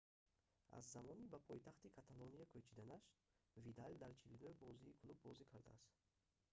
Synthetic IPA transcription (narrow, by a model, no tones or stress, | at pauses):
a̰zːamɔnibapʰɔjt̪ʰaχt̪ikʰat̪ʰaloniakʰøt͡ʃʰid̪anaʃvid̪ald̪aɾt͡ʃʰilunuhbɔziːkʰlubːɔzikʰaɾd̪a̰ast̪